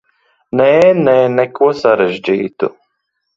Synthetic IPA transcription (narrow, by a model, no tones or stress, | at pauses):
nɛːnɛːnɛkuɔsaɾeʒd͡ʒiːt̪ṵ